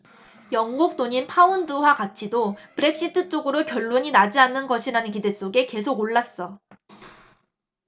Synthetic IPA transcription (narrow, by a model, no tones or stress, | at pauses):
jʌŋɡuk̚t͈oɲinpʰaundɯwakat͡ɕʰidopɯɾe̞k̚ɕ͈ʰitʰɯt͡ɕ͈oɡɯɾokjʌɭːoɲinad͡ʑianːɯnɡʌɕʰiɾanɯnkide̞s͈oɡe̞ke̞sʰoɡoɭːas͈ʌ